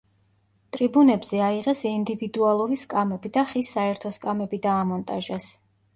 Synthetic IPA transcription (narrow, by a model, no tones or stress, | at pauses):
t̪ʼɾibunɛbz̥ɛaiʁɛsind̪ivid̪ualˠuɾiskʼamɛbid̪aχisːaɛɾt̪ʰɔskʼamɛbid̪aːmɔnt̪ʼaʒɛs